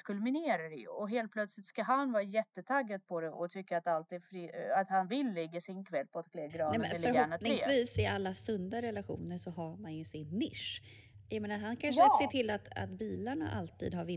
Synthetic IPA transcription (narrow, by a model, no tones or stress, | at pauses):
kʰɵlmɪneːɾaɾɛj̰ɔɦeːlt̪̚pʰlœt̪slɪt̪skaɦanvɑːɾajɛt̪ːət̪ʰaɡːad̪̚pʰɔd̪ɛʔɔ̰t̪ʰʏkːaat̪alt̪iːd̪fɾiat̪hanvɪlːɛɡːasɪnkʰvɛlːpʰɔat̪kʰlɛːɡɾɑːɛɛœɾɦænat̪nʰɪŋsviːsɪalːasɵnd̪aɾɛlaɧṵːnəʂɔɦaɾmanjɵsɪnːɪʂ | jameːnaɾɦankʰanʂɛseːʈʰɪlːat̪a̰t̪̚biːlaɳa̰ʔa̰lt̪ʰḭːd̪ɦaɾvɪ